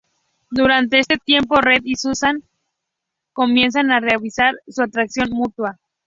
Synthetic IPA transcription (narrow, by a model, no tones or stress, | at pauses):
d̪uɾant̪e̞est̪e̞t̪je̞mpo̞red̪isusaŋ | ko̞mje̞ns̬anareaβisaɾsuat̪ɾaksjo̞nmut̪wa